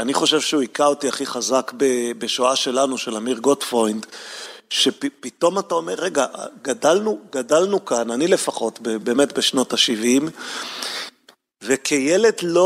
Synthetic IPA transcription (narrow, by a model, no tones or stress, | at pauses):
aniχo̞ʃe̞vʃeuikaotiaχiχazakbebeʃoaʃe̞lanuʃe̞lamiʁɡo̞tfojndʃeppito̞matao̞me̞ʁːeɡaɡadalnuɡadalnukananile̞faχo̞tbebe̞ːme̞tbeʃno̞taʃivim | ve̞kʰejele̞dlo